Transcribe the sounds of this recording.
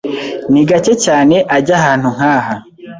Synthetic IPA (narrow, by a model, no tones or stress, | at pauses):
niɡace̞caːne̞ʔaɟahaːn̥huŋ̥aːha